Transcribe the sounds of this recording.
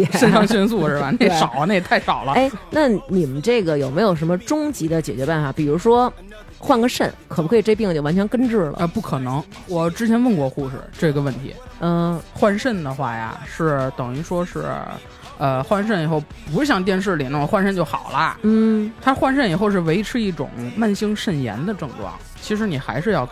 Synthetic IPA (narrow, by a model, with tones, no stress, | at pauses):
ɛ˨˩ʂə˥˧nʈ͡ʂʰɑ˥ŋɕɥɛ˥ns̬u˥˧ʂɻ̩˥˩ba˨˩ne˥˧˩ʂɑ˨˩ʊlne˥˩ɪt̪ʰa˥˩ɪʂɑ˨˩ʊlə˦e˥ɪna˥˩ni˨˩mə˦nʈ͡ʂɤ˥˩ɡə˩jo˨˩ʊme˧˥ɪjo˨˩ʊʂə˧˥mə˧ʈ͡ʂʊ˥ŋt͡ɕi˧˥d̪ə˧t͡ɕjɛ˨˩t͡ɕɥɛ˧˥pa˥˩nfa˨˩pi˨˩ɻu˧˥ʂwɔ˥ | xwa˥˧nɡə˥˧ʂə˥˩nkʰɤ˨˩pkʰʈ͡ʂe˥˧˥pi˥˩ŋ˧t͡ɕo˥˩ʊwa˧˥nt͡ɕʰɛ˧˥nkə˥nʈ͡ʂɻ̩˥˩lə̰˩ə˧pu˥˩kʰɤ˨˩nɤ˧˥ŋ | wɔ˨˩ʈ͡ʂɻ̩˥t͡ɕʰjɛ˧˥nwə˥˧nkwɔ˥˧xu˥˧ʂɻ̩̰˥˩ʈ͡ʂɤ˥˩ɡə˩wə˥˩nt̪ʰḭ˧˥ə˥˧˩xwa˥nʂə˥˩nd̪ə˩xwa˥˩ja̰˩ʂɻ̩˥˩t̪ɤ˨˩ŋi˧˥ʂwɔ˥ʂɻ̩˥˩ | ə˧xwa˥˧nʂ̬ə˥˩ni˨˩xo˥˩ʊ | pu˧˥ʂɻ̩˥˩ɕjɑ˥˩ŋt̪jɛ˥˧nʂ̬ɻ̩˥˩li˨˩na˥˧mə˧xwa˥nʂə˥˧nt͡ɕjo˥˩ʊxɑ˨˩ʊlə˦n̩˥˩t̪ʰa˥xwa˥˧nʂ̬ə˥˩ni˨˩xo˥˧ʊʂ̬ɻ̩˥˩we˧˥ɪi˥ʈ͡ʂʰɻ̩˥i˥˩ʈ͡ʂʊ̰˨˩˦ŋma˥˩nɕi˥ŋʂə˥˩njɛ̰˧˥nd̪ə˧ʈ͡ʂɤ˥˧ŋʈ͡ʂwɑ̰˥˩˦ŋ | t͡ɕʰi˧˥ʂ̬ɻ̩˧˥ni˨˩xa̰˧˥ɪʂɻ̩˥˧jɑ˥˧ʊ